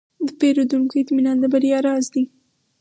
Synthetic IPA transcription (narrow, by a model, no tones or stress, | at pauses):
d̪əpeɾod̪uŋkoɪt̪minɑnd̪əbaɾjɑɾɑzd̪i